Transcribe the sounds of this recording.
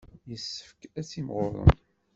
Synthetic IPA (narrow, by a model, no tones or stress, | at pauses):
jəsːə̥fkæt͡sːimʁʊ̰ɾˤə̰n